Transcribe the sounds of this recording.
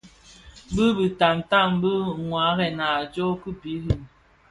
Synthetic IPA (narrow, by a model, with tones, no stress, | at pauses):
bɨ˦bi˨ta˨mta˦˨m˦bə˦ŋwa˨˦ɣɛ˨na˨d͡ʒo˦kɨ˦pi˨˦ɣi˦˨m